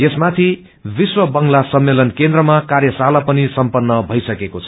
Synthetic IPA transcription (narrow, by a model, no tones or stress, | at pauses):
jesmat̪ʰi | biswʌbʌŋlasʌmːelʌnkend̪rʌmakarjʌsalapʌnisʌmpʌnːʌbʱʌjsʌkekot͡sʰʌ